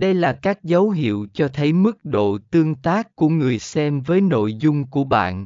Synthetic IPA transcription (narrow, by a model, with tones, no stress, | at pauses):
ɗə˧jlaː˨˩kaː˦˥k̚zə˨˦wɦḭ˧˨əwt͡ɕɔ˧t̪ʰə˨˦jmɨ˦˥k̚ɗo̰˧˨t̪ɨ˧əŋt̪aː˦˥kːu˧˩əŋɨ˨˩əjsɛ˧mvəː˨˦jno̰˧˨jzʊ˧ŋ͡mku˧˩əɓa̰ː˧˨n